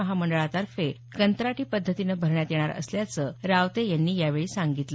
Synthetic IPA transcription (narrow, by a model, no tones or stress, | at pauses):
əɦaməɳɖəɭat̪aɾfe | kənt̪ɾaʈiːpəd̪ʱːət̪inəbʱəɾɳjat̪jeɽ̃aɾə̰sljat͡səɾaʋt̪ejanːiːjaʋeɭiːsaŋɡit̪lə